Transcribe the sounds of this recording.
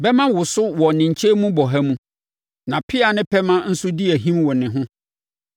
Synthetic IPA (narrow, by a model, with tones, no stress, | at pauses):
bɛ˦mã˦wʊ˨sʊ˦wɔ˨nɪ̃˨ɲ̩˨t͡ɕʰe˦mũ˦bɔ˨ɦæ˦mũ˦ | nã˨pʰɪ˦a˨nɪ̃˦pʰɛ˦mã˦n̩˦sʊ˦di˦æ˨ɦĩ˦mwɔ˨nɪ̃˨ɦʊ̃˦